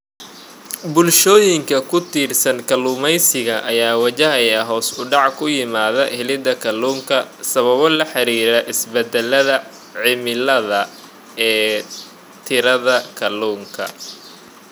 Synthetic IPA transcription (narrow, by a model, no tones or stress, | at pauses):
bʊlʃɔːjɪŋkʰɐkʰʊt̪ʰiːrsɐnkʰɐluːmɛjsɪɣɐʔɐjaːwɐt͡ʃɐɦɐjɐɦɔːsʊɖɑʕkʰʊjɪmaːðɐhɪlɪd̪ɐkʰɐluːŋkʰɐsɐβɐβɔlɐħɑɾiːɾɛʔɪsbɛd̪ɛlɐðɐ | ʕɪmɪlɐðɐ | ɛː | t̪ʰɪɾɐðɐkʰɐluːŋkʰɐ̰